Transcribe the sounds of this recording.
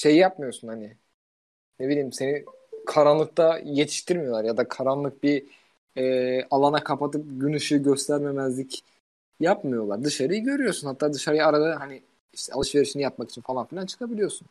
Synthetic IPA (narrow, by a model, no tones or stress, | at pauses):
ʃe̞jijapmɯjo̞ɾsunhanɪ | ne̞bilʲiːmse̞ni | kʰaɾanlˠɯk̚t̪aje̞t̪ʰi̥ʃt̪ʰiɾmijoaɾjad̪akʰaɾanlˠɯk̚bi | ɛalˠanakʰapat̪ʰɯp̚ɟynɯʃɯɟø̞st̪ʰæɾme̞mæzlʲic | japmɯjo̞lˠaɾd̪ɯʃaɾɯjɯɟø̞ɾyjo̞sunhat̪ʰːaːd̪ɯʃaɾɯjaɾad̪aɦani | iʃt̪ʰɛ̰ʔaɯʃve̞ɾiʃinijapmaki̥t͡ʃʰinfalˠanfilʲant͡ʃʰɯ̥kʰabilʲijo̞ɾsun